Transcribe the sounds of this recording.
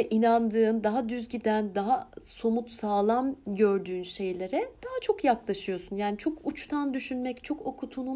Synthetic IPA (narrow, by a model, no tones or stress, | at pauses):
ɛʔinand̪ɯːnd̪aɦad̪yzɟid̪ænd̪aɦaso̞mut̪saːlˠamɟøɾd̪yːnʃe̞jlʲe̞ɾɛd̪̥aɦat͡ʃʰo̞kjaklˠaʃɯjo̞sunjaːnit͡ʃʰo̞kʰut͡ʃt̪ʰand̪yʃynmɛct͡ʃʰo̞ko̞kʰut̪ʰunu